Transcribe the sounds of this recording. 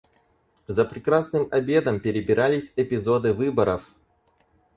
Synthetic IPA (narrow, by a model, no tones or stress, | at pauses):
zəpɾʲɪkɾasnɨmɐbʲe̞d̪əmpʲɪɾʲɪbʲɪɾʔalʲɪsʲɛpʲɪzo̞d̪ɨvɨbəɾəf